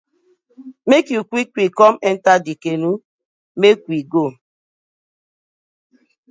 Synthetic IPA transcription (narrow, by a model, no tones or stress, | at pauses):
mekjukʷikʷwikɔmɛntadikenu | mekʷwiɡo